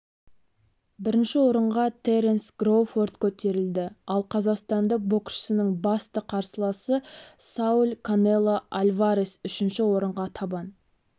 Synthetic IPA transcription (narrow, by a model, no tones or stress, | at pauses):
bɪɾɪnʃɪwo̞ɾəɴʁɑt̪ʰeɾensɡroford̪kʲʰɵt̪e̞ɾɪld̪ɪɑlˠqʰɑzɑqst̪ɑnd̪əq̚bo̞kʃə̥sɪnəŋbɑst̪əqʰɑɾsəlˠɑsəsaulʲkʰonelˠːaʔalʲvaɾesʏʃɪnʃɪwo̞ɾəɴʁɑt̪ʰɑbɑn